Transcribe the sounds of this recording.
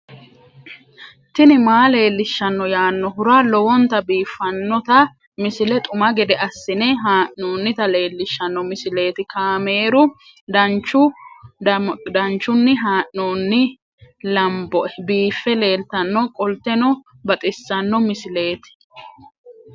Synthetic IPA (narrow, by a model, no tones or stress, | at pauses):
t̪ɪnɪmaːle̞ːlːɪʃːɐnːɔjaːnːɔhʊɾaːlɔwɔnt̪ɐbiːfːɐnːɔt̪ɐ | mɪsɪlɛt̪ʼʊmɐɡɛd̪ɛɐsːɪnɛɦaːʔoːnːɪt̪ɐle̞ːlːɪʃːɐnːɔmɪsɪle̞ːt̪ɪkaːme̞ːɾʊ | d̪ɐnt͡ʃːʊ | d̪ɐnt͡ʃːʊnːɪɦaːʔoːnːɪ | lɐmbɔʔɛbiːfːɛle̞ːlt̪ɐnːɔkʼɔlt̪ːɛnɔ | bɐt̪ʼɪsːɐnːɔmɪsɪle̞ːt̪ɪ̥